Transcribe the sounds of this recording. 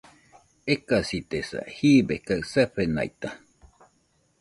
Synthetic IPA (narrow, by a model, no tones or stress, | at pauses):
ekasit̪esa̰hiːbehkaɰseɸena̰jt̪a